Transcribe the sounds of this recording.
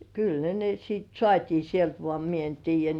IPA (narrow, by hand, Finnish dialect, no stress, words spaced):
kyl ne ne siːt sŏɑˑtʲiː sielt ʋoɑˑ mie en tiːjˑæ